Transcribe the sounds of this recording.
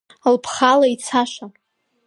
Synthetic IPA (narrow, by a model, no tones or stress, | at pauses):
lpʰχalait͡sʰaʃa